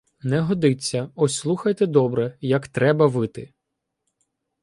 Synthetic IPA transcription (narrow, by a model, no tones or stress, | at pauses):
nɛɦɔd̪ɪt͡sʲːɐɔsʲslˠuxɐjt̪ɛd̪ɔbɾɛjɐkt̪ɾɛbɐʋɪt̪ɪ